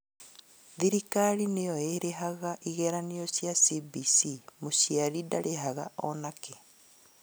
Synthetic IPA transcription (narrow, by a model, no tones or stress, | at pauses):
ðiɾikaɾinejoeɾeɦaɣaʔiɣɛɾanijosjasibisimosiaɾidaɾeɦaɣaɔ̰nake